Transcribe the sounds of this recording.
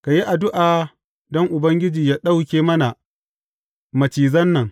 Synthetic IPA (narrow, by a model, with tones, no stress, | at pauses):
ka˨ji˦ʔa˨dʊ˦ʔaː˨ | dɔ˦ŋʔʊ˨bɐ˦ŋɡʲɪ˦d͡ʒiː˨jaː˦ɗa˦wkʲeː˦mɐ˦na˨ | mɐ˨t͡ʃiː˨zɐ˦nːɐ˨ŋ